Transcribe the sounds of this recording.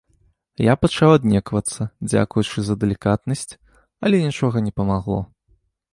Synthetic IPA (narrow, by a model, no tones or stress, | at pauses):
japɐt͡ʂawad̪nʲɛkvɐt̪sːɐd͡zʲa̰kujut͡ʂɨzɐd̪ɐlʲikat̪nɐsʲt͡sʲ | ɐlʲɛnʲit͡ʂɔɣɐnʲɛpɐmaɣlˠɔ̰